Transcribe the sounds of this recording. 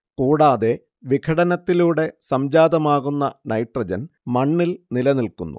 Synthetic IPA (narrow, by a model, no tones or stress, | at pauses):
kuːɽaːðe̞ | ʋikʰɐɽɐnɐt̪ːiluːɽe̞sɐmd͡ʑaːd̪ɐmaːɣunːɐnɐjʈrɐd͡ʑɐnmɐɳːilnilɐnilkunːṵ